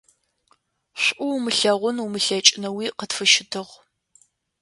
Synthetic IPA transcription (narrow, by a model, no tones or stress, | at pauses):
ɕʷʔʷʊwmɨɬɐʁʷʊnumɨɬɐt͡ʃʼɪnɐwiːqətfɨʃɪtʰɨʁ